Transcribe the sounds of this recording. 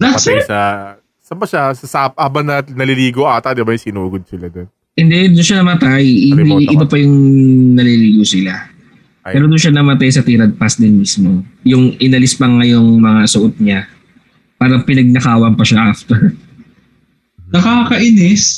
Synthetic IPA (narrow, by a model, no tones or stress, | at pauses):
d̪asɛsɐ | sɐbɐʃasɐsapʔabɐnɐnɐliliːɡoʔaːt̪ɐd̪ɪbajʊŋsɪnuːɡod̪̚sɪlad̪on | ɪnd̪ɛd̪ʊnʃanɐmɐt̪ajɪiʔɪd̪opɐjʊŋnɐliliːɡosɪla | pɛːɾod̪ʊnʃanɐmɐt̪ajsɐt̪iːɾɐd̪̚pasd̪ɪnmismo̞jʊŋʔɪnɐlɪspɐŋɐjoŋmɐŋasʊʔot̪̚ɲa | paːɾɐŋpɪnɐɡ̚nɐkaːwɐnpɐʃaʔaft̪ɛɹ | nɐkaːkɐʔɪnɪs